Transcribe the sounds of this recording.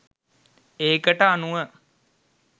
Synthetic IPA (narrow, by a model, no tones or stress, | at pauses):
eːkəʈəanuʋə